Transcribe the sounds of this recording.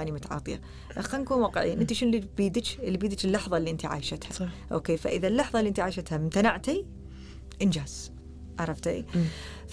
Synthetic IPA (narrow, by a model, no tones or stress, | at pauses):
aːnimʊt̪ʕɑ̰ːt̪ˤɨ̰ja̰ | ʔxankuːnwaːqəʕḭːnʔɪnt̪iʃɪnlibiːd̪t͡ʃlːibiːd̪t͡ʃɪlːɑħðˤɑlːiʔɪnt̪iʕa̰ːjʃɪt̪haʔo̰ːkeːfa̰ʔɪðalːɑħðˤɑliʔɪnt̪iʕaːʃat̪hamt̪anaʕt̪i | ʔɪnd͡ʒaːz̥ | ʔɑɾˤɑft̪a̰